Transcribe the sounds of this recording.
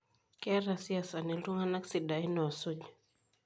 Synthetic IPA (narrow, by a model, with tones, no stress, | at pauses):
kɛ˦ɾa˨si˦a˨sa˨ni˨lu˦ŋa˦na˦ksi˨da˨i˦nɔ˨a˨su˦d͡ʒ